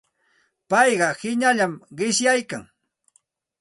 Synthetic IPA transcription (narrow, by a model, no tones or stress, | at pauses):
pɑjɢɑhɪɲaʎamɢɪʃjajka̰ŋ